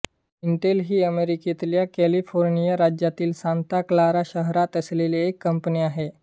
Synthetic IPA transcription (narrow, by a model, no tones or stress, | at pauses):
iɳʈelɦiːəmeɾikit̪ljakɛlifoɾnijəɾad͡ʑjat̪iːlsãnt̪aklaɾaɕəɦɾat̪əsleleːkːəmpəniːaɦe